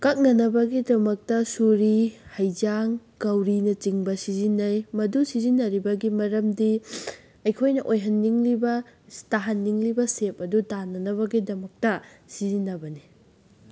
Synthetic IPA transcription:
kɐk̚nɐnɐbɐɡidɐmɐk̚tɐsuɾihɐjd͡ʒaŋkɐwɾinɐt͡ʃiŋbɐsizinːɐjmɐdusizinːɐɾibɐɡimɐɾɐmdi | ɐjkʰojnɐʔojɦɐnːiŋlibɐtaɦɐnːiŋlibɐsep̚ɐdutanɐnɐβɐɡidɐmɐk̚tɐ | sizinːɐbɐni

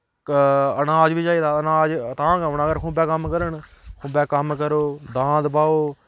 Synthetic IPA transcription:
kənaːd͡ʒʋiːd͡ʒaːiːd̪aːənaːd͡ʒt̪ãːkəʋɳəɡəɾkʰʊ̃ːbɛːkəmkəɾəɳkʰʊ̃ːbɛːkəmkəɾoːd̪ãːd̪paːoː

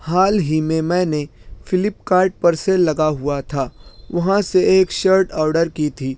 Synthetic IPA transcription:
haːlɦimẽmɛ̃ːnefɪlɪpkaːɾʈ̚pɐɾselɐɡaɦʊat̪ʰaːʋɐɦãseeːkʃəɾʈɔːɾɖəɾkit̪ʰiː

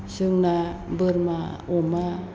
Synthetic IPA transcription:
sɯŋnabɯɾmaoma

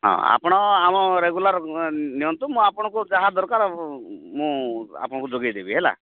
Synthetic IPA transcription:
ɦɔ̰̃a̰pɔɽ̃ɔamɔɾeɡulaɾniont̪umũapɔɽ̃ɔkud͡ʒaɦad̪ɔɾkaɾɔmũa̰pɔɽɔ̃kud͡ʒoɡajd̪ebiɦela̰

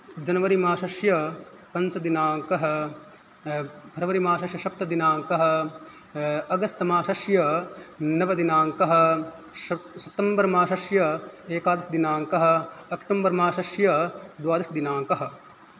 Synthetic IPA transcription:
d͡ʒɐnɐʋɐɾimaːʃɐʃjɐ | pɐnt͡ʃɐd̪inaːŋkɐɦɐ | bʱɐɾɐʋɐɾimaːʃɐʃjɐʃɐp̚t̪ɐd̪inaːŋkɐɦɐ̆ | ɐɡɐst̪ɐmaːʃɐʃjɐ | nɐʋɐd̪inaːŋkɐɦɐ̆ | sɐp̚t̪ɐmbɐɾmaːʃɐʃjɐeːkaːd̪ɐsd̪inaːŋkɐɦɐ̆ɐkʈɐmbɐɾmaːʃɐʃjɐd̪ʋaːd̪ɐsd̪inaːŋkɐɦɐ̆

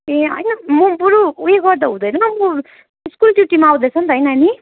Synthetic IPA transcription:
ẽɦʌ̰jnʌmʌbuɾuueɡʌrd̪aɦũd̪ʌjnʌmo | iskulʈjuʈimaaw̃d̪ʌjt͡sʰʌnt̪ʌʌjnːni

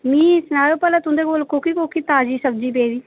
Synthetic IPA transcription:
mĩːsnaːjoːpəlãːt̪ʊ̃nd̪eːkoːlkoːkiːkoːkiːt̪aːd͡ʒiːsəb̚d͡ʒiːp̬eːd̪iː

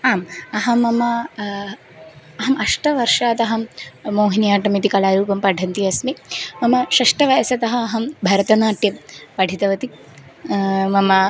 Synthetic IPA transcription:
aːmɐɦɐmɐmɐ | ɐɦɐmʔɐʂʈɐʋɐɾʂaːt̪ɐɦɐmmoːɦinijaːʈɐmit̪ikɐlaːɾuːpɐmpɐɖʱɐnt̪iɐsmimɐmɐʃɐʂʈɐʋɐjɐsɐt̪ɐɦɐːɦɐmbʱɐɾɐt̪ɐnaːʈ̪jɐmpɐɖʱit̪ɐʋɐt̪i | mɐmɐ

